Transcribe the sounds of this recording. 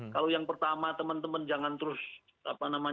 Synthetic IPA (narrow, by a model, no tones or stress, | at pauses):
kalojaŋpərt̪amat̪əmənt̪əmənd͡ʒaŋant̪əɾʊs | a̰panama